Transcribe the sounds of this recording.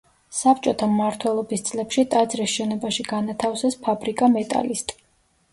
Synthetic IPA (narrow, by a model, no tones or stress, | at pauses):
sap̚ʰt͡ʃʼɔt̪ʰamːaɾt̪ʰwɛlˠɔbist̪sʼlɛpʃit̪ʼad̪zɾisʃɛnɔbaʃiɡanat̪ʰafsɛspʰabɾikʼamɛt̪ʼa̰list̪ʼ